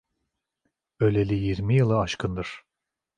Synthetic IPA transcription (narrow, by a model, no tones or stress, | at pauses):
ø̞lʲelʲijiɾmijɯlˠɯaʃkʰɯnd̪ɯɾ̥